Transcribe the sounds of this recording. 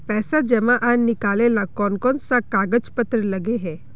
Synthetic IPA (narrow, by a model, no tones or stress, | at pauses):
pɛːsad͡ʒɛmãʔanɪkaːlelakɔːnkɔːnsakaːɡəd͡ʒpət̪ɾəlɐɡeɦɛː